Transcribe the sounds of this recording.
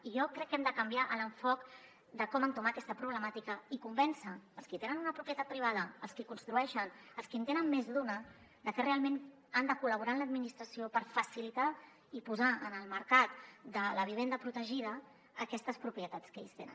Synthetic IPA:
iʒɔkɾɛkːɛmd̪əkəmbiaʔələɱfɔk | d̪əkɔmənt̪umaəkɛst̪əpɾuβ̞ləmat̪ikəikumbɛnsəːlˠskit̪enənunəpɾupɾiət̪at̪̚pɾiβað̞əːlˠskikunst̪ɾuɛʃənəlˠskint̪enənmezðunə | d̪əfɛrealˠmen | and̪əkuləβ̞uɾaənləd̪̚minist̪ɾəsiopəɾfəsilit̪a | ipuzaənəlˠməɾkat̪d̪ələβ̞iβ̞end̪əpɾut̪əʒið̞ə | əkɛst̪əspɾupɾiət̪at͡skḛʎst̪ḛnə̰n

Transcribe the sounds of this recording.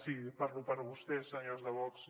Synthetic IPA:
sipaɾlupəɾβust̪ɛsəɲozðəβɔks

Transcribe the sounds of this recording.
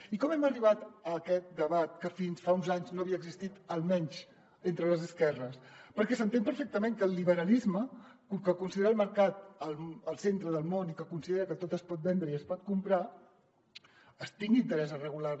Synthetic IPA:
ikɔmɛməriβat̪əːkɛt̪̚d̪əβat̪̚kəfinsfaunzaɲznoɐβiəɡzist̪it̪əlˠmɛɲz | ent̪ɾələzəskɛrəspəɾkɛsənt̪empəɾfek̚t̪əmeŋkəːlˠiβəɾəlizməkukəkunsiðeɾəlˠməɾkat̪̚əlˠəlˠsent̪ɾəðəlˠmonikəkunsiðeɾəkət̪ot̪əspɔt̪̚bɛnd̪ɾəiəspɔt̪̚kumpɾa | əst̪iŋɡint̪əɾɛzərəɣulaɾ

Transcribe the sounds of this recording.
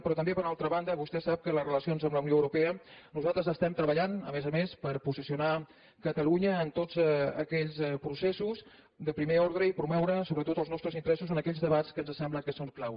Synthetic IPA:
pɾɔt̪əmbepəɾunalˠt̪ɾəβand̪əβust̪ɛsap̚kələzrələsionzəmləwnioəwɾupɛənuzalˠt̪ɾəzəst̪ɛmt̪ɾəβəʎanə̰mezəmespəɾpusisiuna | kət̪əluɲəːnt̪ozəkɛʎzpɾusɛsuz | d̪əpɾimeɔɾðɾəipɾumɛwɾəsoβɾət̪ot̪əlˠznɔst̪ɾəzint̪əɾɛsusonəkɛʎzðəβat͡skənzəsɛmbləkəsoŋklaw

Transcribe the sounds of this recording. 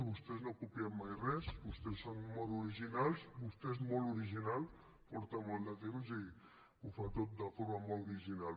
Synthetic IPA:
βust̪ɛznokupiɛmmːajrɛsbust̪ɛsːonmoluɾiʒinalˠzbust̪ɛzmolˠuɾiʒinalˠ | pɔɾt̪amolˠd̪ət̪emzi | ufat̪ot̪̚d̪əfoɾmamoluɾiʒinal

